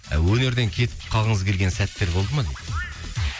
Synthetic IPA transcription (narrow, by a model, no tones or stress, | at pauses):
æ̰wɵne̞ɾd̪e̞ŋkʲʰe̞t̪ɪ̥p̚qʰɑlˠʁəɴəzkʲʰe̞lɡʲe̞nsæt̪ːe̞ɾbo̞lˠd̪əmɑd̪et